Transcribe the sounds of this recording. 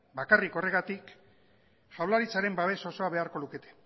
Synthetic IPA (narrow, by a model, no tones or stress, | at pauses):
bakariko̞re̞ɣat̪ik | ʝawlaɾit͡saɾe̞mbaβe̞so̞so̞aβ̞e̞aɾko̞luke̞t̪e̞̥